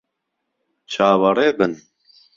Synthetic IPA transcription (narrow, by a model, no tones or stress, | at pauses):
t͡ʃʰaːwɐɾeːbɨn